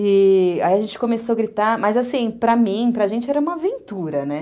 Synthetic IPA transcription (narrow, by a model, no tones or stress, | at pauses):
ɪaiɐʒẽnt͡ʃɪ̥kõmesoaɡɾit̪amɐzasĩpɾɐmĩpɾɐʒẽnt͡ʃɪɛɾɐũmɐavẽnt̪uɾɐnɛ